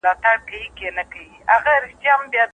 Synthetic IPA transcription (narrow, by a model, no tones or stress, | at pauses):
lɑt̪aɽkawikenakawiaɣaɾɪʃt̪jambjɑ